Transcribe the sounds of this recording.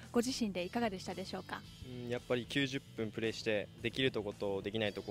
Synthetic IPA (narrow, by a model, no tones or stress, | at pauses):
ɡ̥o̞ʑiɕĩnd̪e̞ikaɡad̪e̞ɕi̥t̪ad̪e̞ɕo̞ːka̰ | ɯ̃japːaɾʲikʲɨːʑɨpːɯ̟̃mpɯ̟ɾe̞ːɕi̥t̪e̞d̪e̞kʲiɾɯ̟t̪o̞ko̞t̪o̞ːd̪e̞kʲinait̪o̞k